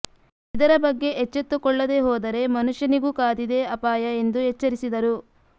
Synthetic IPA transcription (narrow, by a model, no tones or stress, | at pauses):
id̪ɐɾɐbɐɡːe̞ʔet͡ʃːet̪ːukɔɭːɐd̪e̞ːɦɔːd̪ɐɾe̞mɐnuʂjɐniɡuːkaːd̪id̪eɐpaːjɐe̞nd̪uɦɛt͡ʃːɐɾisid̪ɐɾu